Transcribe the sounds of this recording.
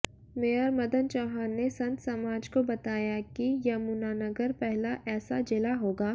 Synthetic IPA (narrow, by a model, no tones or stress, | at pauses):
mejaːɾmɐd̪ənt͡ʃɔːɦaːnːesɐ̃nt̪sɐmaːd͡ʒkobɐt̪aːjakijɐmuːnaːnɐɡəɾpɛɦlaʔɛːsad͡ʒɪlaɦoːɡaː